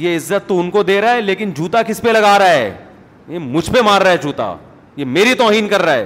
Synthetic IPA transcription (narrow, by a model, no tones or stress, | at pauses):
jeɪzːət̪ːoʊnkod̪eːɾaɛleːkɪnd͡ʒʱuːt̪akɪspelɐɡaːɾaɦɛ̰ː | jemʊd͡ʒʱpemaːɾɾaɦɛd͡ʒʱuːt̪a̰ | jemeːɾit̪ɔːɦiːnkɐɾːaɦɛ̰ː